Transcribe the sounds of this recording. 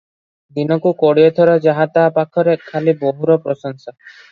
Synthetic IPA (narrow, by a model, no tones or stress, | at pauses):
d̪inɔkukɔɽiet̪ʰɔɾɔd͡ʒaɦat̪aːpakʰɔɾekʰaliboɦuɾɔpɾɔsɔŋsa